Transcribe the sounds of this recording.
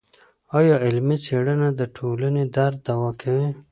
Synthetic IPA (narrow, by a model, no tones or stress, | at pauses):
ajoɪlmit͡sʰeɽənad̪əʈʰoːləned̪aɾd̪awakʰawi